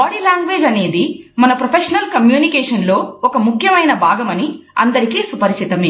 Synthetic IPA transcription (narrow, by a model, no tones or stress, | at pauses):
aːɽiːlaːŋɡʋeːd͡ʒɐne̞ːd̪imɐnɐpɾɐpʰeʂɐnɐlkɐmjuːnikeːʂɐnlo̞ːɔkɐmukʰjɐmɐjnɐbʱaːɡɐmɐniɐ̰nd̪ɐɾikiːsupɐɾiʃt͡ʃit̪ɐme